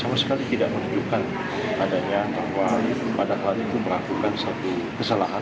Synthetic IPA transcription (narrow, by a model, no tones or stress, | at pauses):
samasə̥kalit̪idaʔmənud͡ʒukan | adaɲabahwapadaɦalanit̪uməlakukansat̪u | kəsəlaɦa